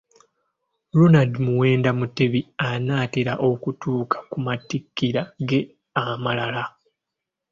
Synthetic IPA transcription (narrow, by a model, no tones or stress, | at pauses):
ɾunadimuwe̞ːndamuteβianaːteɾaʔo̞kutuːkʰḁkumatikːiɾaɡe̞ | amalala